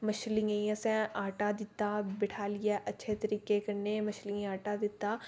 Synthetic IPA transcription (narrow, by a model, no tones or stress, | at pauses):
mɐʃlĩə̃jãsẽaːʈad̪ɪt̪abɪʈʰaːlijaʔɐtːʃʰet̪ɐɾiːkekɐɾnemɐʃlĩaːʈad̪ɪt̪ːaː